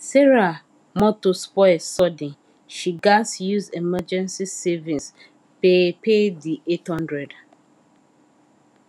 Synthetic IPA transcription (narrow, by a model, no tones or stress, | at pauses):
sɛɹa | mɔtospɔsɔdĩn | ʃiɡasjuzemɛd͡ʒɛ̃nsisɛvĩns | pepediʔethɔ̃ndɹɛd